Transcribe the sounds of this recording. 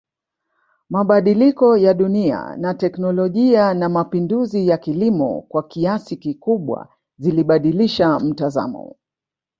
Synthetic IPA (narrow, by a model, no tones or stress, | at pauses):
maɓaɗilikɔjaɗunia̰natɛknɔlɔʄianamapinduzijakilimɔ̰kwakiasikikuɓwa̰ | ziliɓaɗiliʃam̩taza̰mɔ̰